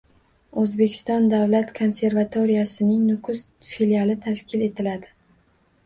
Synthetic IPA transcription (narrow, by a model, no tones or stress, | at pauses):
ɵzbe̞kʲʰɪ̥st̪ɒnd̪avlat̪kʰo̞nse̞ɾvat̪ʰoɾijasɪnɪŋnʊkʰʊs | filialɪt̪ʰaʃkʲʰɪle̞t̪ʰɪlad̪ɪ